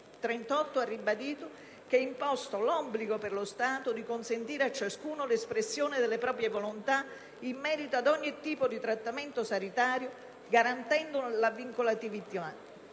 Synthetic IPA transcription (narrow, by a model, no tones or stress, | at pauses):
t̪ɾɛnt̪ɔt̪ːoarːibad̪iːt̪o | k̟ɛimpɔst̪olɔbliɡoperlost̪aːt̪od̪ikonsent̪iːɾeat͡ʃːaskuːnolespɾesːjoːnɪd̪elːepɾɔːp̬ɾjevolont̪a | imːɛːɾit̪oad̪ɔɲːit̪iːpod̪it̪ɾat̪ːament̪osanit̪aːɾjo | ɡaɾant̪ɛnd̪ʊlavːiŋkolat̪ivit̪a